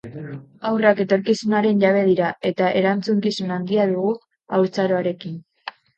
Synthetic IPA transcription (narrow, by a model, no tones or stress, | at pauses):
awrake̞t̪o̞ɾkisunaɾe̞nʎaβ̞e̞ð̞iɾae̞t̪aʔe̞ɾant͡suŋkisunand̪iaðuɣu | awɾt͡saɾo̞aɾe̞kin